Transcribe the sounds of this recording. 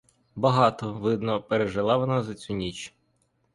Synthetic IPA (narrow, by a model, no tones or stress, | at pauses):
bɐɦɑt̪ɔʋɪd̪nɔpeɾeʒɪlˠɑʋɔnɑzɐt͡sʲunʲit͡ʃʲ